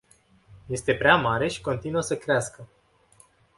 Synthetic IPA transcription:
je̞st̪e̞pɾeamaɾe̞ʃi̥ko̞nt̪inuəsəkɾeaskə

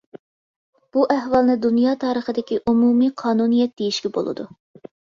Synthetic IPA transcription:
b̥uʔæhvɑlˠnɨd̪unjɑːt̪ʰɑːɾəχəd̪ɪkʲiʔumumiːqʰɑːnunijɛt̪̚d̪̥ejiʃkʲɛbo̰lˠɨ̰d̪ṵ

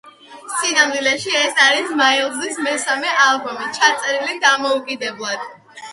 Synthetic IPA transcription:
sinamd̪ilɛʃiɛsaɾismaɛlˠzismɛsamɛʔalˠbɔmit͡ʃʰat̪sʼɛɾilid̪amɔukʼid̪ɛblˠad̪̥

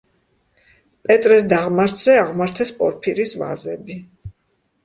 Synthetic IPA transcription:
pʼɛt̪ʼɾɛs̬d̪aʁmaɾt̪ʰz̥ɛaʁmaɾt̪ʰɛspʼɔɾpʰiɾisva̰zɛbi

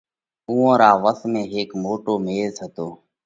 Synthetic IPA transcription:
uːõːɾaːʋəsmẽːɦeːkmoːʈoːmeːzət̪oː

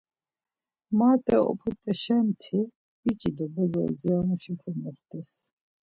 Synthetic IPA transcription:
maɾt̪ʼɛ̰ɔ̰pʰut̪ʼɛʃɛmt̪ʰi | it͡ʃʼid̪ɔbɔzɔ̰ziamuʃipʰɔmɔχt̪ɛs

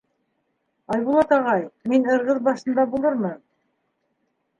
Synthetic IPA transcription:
ɑjβulˠɑt̪ɑʁɑjminɤ̆ɾʁɤðbɑʃɤ̆nd̪ɑbulˠɤɾmɤn

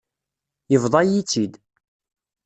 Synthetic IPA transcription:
jəvðˤɑjit͡sːid̪

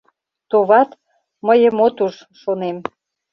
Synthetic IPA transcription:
t̪oβɑt̪ | məjəmot̪uʃ | ʃonem

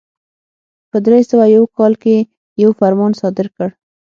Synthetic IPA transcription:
pəd̪ɾesəwajawkɑlke | jawfaɾmɑnsɑd̪ɪɾkəɽ

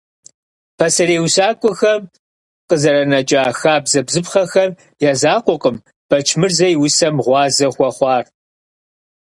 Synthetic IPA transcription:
pʰɐsɐreːwɕaːkʷʼʊxɐm | qəzɐɾɐnɐt͡ʃʼaːxaːbzɐbzɨpχɐxɐm | jaːzaːqʷʊqʼəm | b̥ɐt͡ʃʰmɨrzɐjwʊsɐmʁʷɑːzɐχʷɔχʷɑːr

